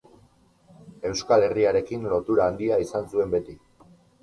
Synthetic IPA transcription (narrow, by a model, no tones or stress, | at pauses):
e̞wskale̞riaɾe̞kinlo̞t̪uɾaːnd̪iaisansue̞mbe̞t̪i